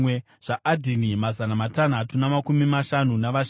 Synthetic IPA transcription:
e | ʐ̥aʔadʱinimazanamatan̤atunamakumimaʃanunaʋaʃ

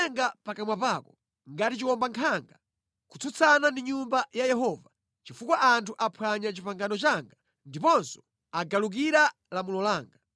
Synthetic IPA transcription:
ɛŋɡapakamwapaːkɔ | ŋɡatit͡ʃiwɔmbaŋkʰaŋɡa | kut͡sʰut͡sʰanandiɲumbajajɛɦɔva | t͡ʃifukwaʔantʰuʔapʰwaɲat͡ʃipaŋɡanɔt͡ʃaŋɡa | ndipɔnsɔ̥ | aɡaluk̬iɾa | lamulɔlaːŋɡa

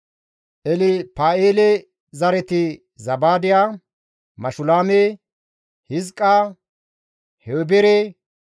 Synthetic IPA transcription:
ʔɛlɪpaːeːlɛ | zɐɾɛt̪ɪ | zɐbaːd̪ɪjaː | mɐʃʊlaːme | hɪzkʼːaː | hɛwbɛɾɛ

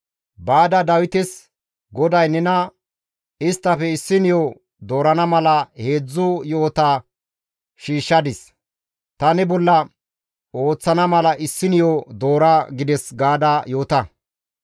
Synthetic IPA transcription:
baːd̪ɐd̪ɐwɪt̪ɛs | ɡɔd̪ɐjnɛnɐ | ɪst̪ːɐpɛɪsːɪnjo | d̪o̞ːɾɐnɐmɐlɐhe̞ːd͡zːʊjo̞ːt̪a | ʃiːʃːɐd̪ɪs | t̪ɐnɪbɔlːɐ | o̞ːt͡sːɐnɐmɐlɐʔɪsːɪnjoːd̪o̞ːɾɐɡɪd̪ɛsɡaːd̪ajo̞ːt̪ɐ

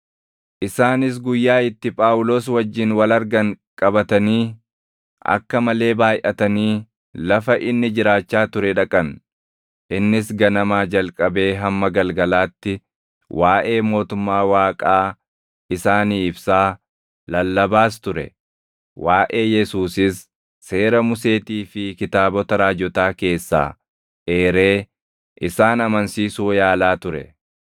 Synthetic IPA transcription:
ʔɪsaːnɪs̬ɡʊjːaːɪt̪ːɪpʼaːʔʊlo̞ːswɐd͡ʒːɪnwɐlɐɾɡɐŋkʼɐbɐt̪ɐniː | ʔɐ̰kːɐmɐle̞ːbaːjʔɐt̪ɐniː | lɐfɐʔɪnːɪd͡ʒɪɾaːt͡ʃːaːt̪ʊɾɛᶑɐkʼɐn | ʔɪnːɪsɡɐnɐmaːd͡ʒɐlkʼɐbe̞ːɦɐmːɐɡɐlɡɐlaːt̪ːɪ | wʔaːʔe̞ːmo̞ːt̪ʊmːaːwaːkʼaː | ʔɪsaːniːɪbsaː | lɐlːɐbaːst̪ʊɾɛ̰ | waːʔe̞ːjɛsuːsɪsː | e̞ːɾɐmʊse̞ːt̪iːfɪkɪt̪aːbɔt̪ɐɾaːd͡ʒɔt̪aːke̞ːsːa̰ː | ʔeːɾe̞ː | ʔɪsaːnɐmɐnsiːsuːjaːlaːt̪ʊɾɛ̰

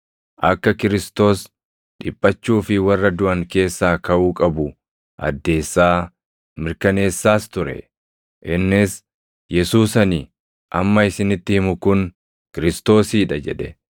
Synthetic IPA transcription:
ʔɐkːɐkɪɾɪst̪o̞ːs | ᶑɪpʼːɐt͡ʃːuːfɪwɐrːɐd̪ʊʔɐŋke̞ːsːaːkɐʔuːkʼɐbʊ | ʔɐ̰d̪ːe̞ːsːaː | mɪɾkɐne̞ːsːaːst̪ʊɾɛ̰ | ʔɪnːɪs | jɛsuːsɐni | ʔɐmːɐɪsɪnɪt̪ːɪhɪmʊkʊn | kɪɾɪst̪o̞ːsiːᶑɐd͡ʒɛᶑɛ

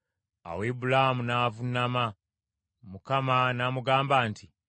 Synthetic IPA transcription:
a̰weːbulahamunaːvunama | mukamanamuɡaːmbaːntʰi

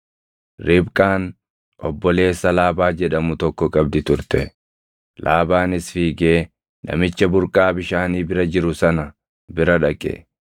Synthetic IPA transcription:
ɾɪbkʼaːn | ʔɔbːɔle̞ːsːɐlaːbaːd͡ʒɛᶑɐmʊt̪ɔkːɔkʼɐbd̪ɪt̪ʊɾt̪ɛ | lʔaːbaːnɪsfiːɡe̞ː | nʔɐ̰mɪt͡ʃːɐbʊɾkʼaːbɪʃaːniːbɪɾɐd͡ʒɪɾʊsɐnɐ | bɪɾɐᶑɐkʼːɛ̰

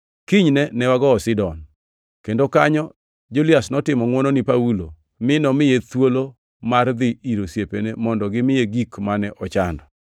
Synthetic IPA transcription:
kiɲnɛnɛwaɡɔːsɪdɔn | kendokaɲɔ | d͡ʒulɪasnɔtɪmɔŋwɔnonipawulo | mɪnɔmɪjet̪wolo | mard̪ɪiɾosjepenemɔndɔɡɪmɪjeɡikmanɛʔɔt͡ʃandɔ

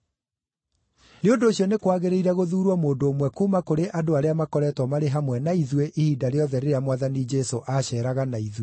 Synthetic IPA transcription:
neondoːɕjɔnekwaɣeɾeiɾɛɣoðuːɾwamoːndoːmwɛkuːmakoɾeʔadoaɾeamakɔɾɛtwɔmaɾeɦamwɛnaiðweʔihiːdaɾeɔðɛɾeɾeamwaðanid͡ʒɛsoʔaɕɛːɾaɣanaiðwe

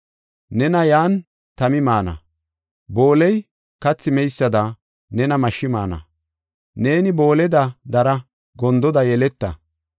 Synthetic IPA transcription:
nɛnɐjaːn | t̪ɐmɪmaːnɐ̰ | bo̞ːlɛj | kɐt͡sːɪmɛjsːɐd̪ɐ | nɛnɐmɐʃːɪmaːnɐ̰ | ne̞ːnɪbo̞ːlɛd̪ɐd̪ɐɾɐ | ɡɔnd̪ɔd̪ɐjɛlɛt̪ːɐ

